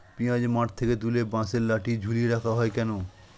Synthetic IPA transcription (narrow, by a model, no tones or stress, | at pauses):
pĩjãd͡ʑmaʈt̪ʰeket̪ulebãseɾlaʈid͡ʑʱuliɾakʰaɦɔekɛno